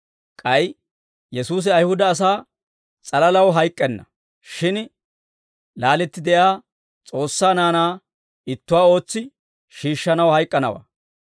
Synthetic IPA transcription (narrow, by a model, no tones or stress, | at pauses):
kʼɐj | jɛsuːs̬ɪɐjhʊd̪ɐːs̬aː | t͡sʼɐlɐlɐwɦɐjkʼːɛnːɐ̰ | ʃɪn | laːlɛt̪ːɪd̪ɛjaː | t͡sʼo̞ːsːaːnaːnaː | ɪt̪ːʊwaːo̞ːt͡sːɪ | ʃiːʃːɐnɐwhɐjkʼːɐnɐ̰wa̰ː